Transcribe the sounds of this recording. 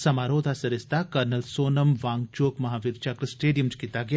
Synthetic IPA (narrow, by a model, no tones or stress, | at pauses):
sɐmaːɾoːd̪ʱasɐɾɪst̪ʰakɐɾnɐlsoːnɐmʋaːŋɡt͡ʃoːkmɐɦaːʋiɾt͡ʃɐkɾɨsʈeːɖijəmt͡ʃkit̪aɡɐ